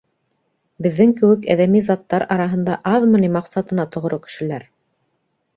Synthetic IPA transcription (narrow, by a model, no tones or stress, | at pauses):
bɘ̆ðːɘŋkɘ̆wɘkæ̰ðæmizɑt̪ːɑɾʔɑɾɑɦɤ̆nd̪ɑʔɑðmɤ̆nimɑqsɑt̪ɤ̆nɑt̪ŏʁ̆ɾokɘ̥̆ʃɘ̆læɾ